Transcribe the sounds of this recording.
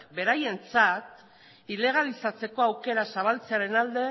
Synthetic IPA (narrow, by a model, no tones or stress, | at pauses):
be̞ɾaje̞nt͡sat̪ | ile̞ɣ̞alisat͡se̞ko̞awke̞ɾasaβ̞alt͡se̞aɾe̞nald̪e̞